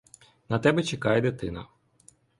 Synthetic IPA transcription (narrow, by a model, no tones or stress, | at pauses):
nɐt̪ɛbɛt͡ʃekɑjɛd̪ɪt̪ɪnɐ̰